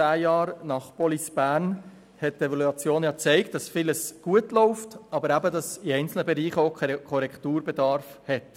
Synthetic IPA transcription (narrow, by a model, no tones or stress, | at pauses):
æːjɑːɾnɑχpɔlisb̥æːɾn | hɛt̚tevɑluɑt͡sjoːnjɑːt͡sɛɪkt̚d̥ɑsfiləsɡ̥uətlɔʊftɑbəɾæbədɑsiɛɪnt͡sl̩nəbɛɾiːχoʊkʰɔɾɛktuːɾbɛdɑɾfhɛt